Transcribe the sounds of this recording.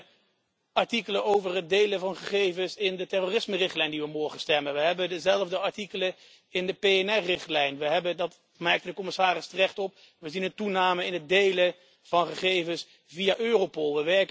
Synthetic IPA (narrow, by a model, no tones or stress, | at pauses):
ɑɹtikələnowvərɦət̚dejləvɑnχəχejvəsɪndətɛroːrɪsmərɪχtlɛjndiʋəmɔɹχənstɛmənʋəɦɛbədəzɛləvdəɑɹtikələ | ɪndəpejɛnɛrɪχtlɛjnʋəɦɛbədɑt | mɛɹktədəkɔmɪsaːrɪstərɛχtɔp̚ | ʋəzinəntunaːməɪnət̚dejlə | v̥ɑnχəχejvəns | viaʔøːrowpɔlˠʋəʋɛɹk